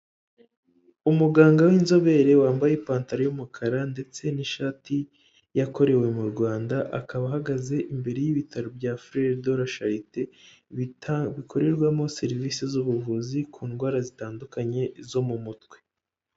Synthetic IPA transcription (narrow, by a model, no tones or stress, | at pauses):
umuɡaːŋɡawinzo̞βe̞ɾe̞waːmbajepaːntaɾojumukʰaɾande̞t͡se̞niʃaːtʰi | jako̞ɾe̞we̞muɾɡwaːndaʔakaβaɦaɡaze̞ʔimbe̞ɾe̞jiβitʰaɾobjafɾeɾdoɾaʃaɾite | βikʰo̞ɾe̞ɾɡwamo̞se̞ɾiviːsezuβuvuzikʰuːnɡwaːɾazitaːndukaɲe̞zo̞mumutɡwe̞